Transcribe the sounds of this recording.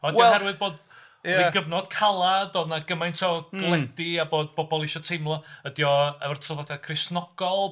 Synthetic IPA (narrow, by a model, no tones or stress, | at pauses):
ɔdahɛrwɨðboːd | aiɡəvnɔd̥kʰalˠadɔdnaɡəmajntʰɔɡ̥lˠɛdɪaboːd̚bɔbɔlˠɪʃɔtʰejmlˠɔədjɔɛvrtʰɔlˠvadakʰrɪsnɔɡ̥ɔlˠ